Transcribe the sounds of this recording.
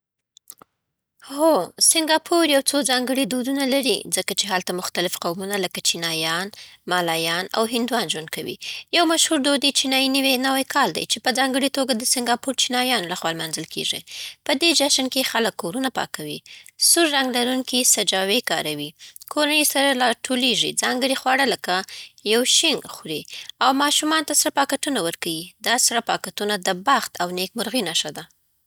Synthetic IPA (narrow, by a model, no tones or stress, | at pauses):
hosɪŋɡɑpʰuɾjawt͡sozɑŋɡəɽid̪od̪unalaɾḭzəkat͡ʃeɦalt̪amʊxt̪alɪfqawmunaləkat͡ʃinɑjɑnmɑlɑjɑna̰wɦɪnd̪wɑnʒwand̪̚kawḭjawmaʃhuɾd̪od̪et͡ʃinɑjinəwenawajkʰɑld̪a̰jt͡ʃepəzɑŋɡəɽit̪oɡad̪əsɪŋɡɑpuɾt͡ʃinɑjɑnolaxwɑlmanzəlkḛʐḭpəd̪ed͡ʒaʃankexaləkːoɾunapɑ̰kawisuɾːaŋɡlaɾuŋkisad͡ʒɑwekɑɾawikʰoɾanesaɾalɑʈʰoleʐḭd͡zɑŋɡəɽixwɑɽaləkajawʃɪŋɡxɾeawmɑʃumɑnt̪asaɾapɑkaʈunawəɾkawid̪ɑsaɾapɑkaʈunad̪əbaxt̪awnek̚mʊɾɣinaʃad̪a